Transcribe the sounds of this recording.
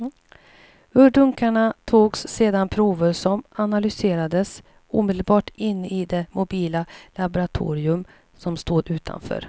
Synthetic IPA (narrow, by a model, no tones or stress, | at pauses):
ɵɖɵŋkaɳat̪ʰoːɡsːeːd̪anpʰɾuːvəɾʂɔmanalʏseːɾad̪əs | ṵːmɛd̪əlbɑːʈɪnːɪd̪ɛmʊbiːlalabʊɾat̪ʰṵːɾɪɵm | sɔmst̪oːd̪ʉ̟ːt̪ʰa̰nfœ̰ːɾ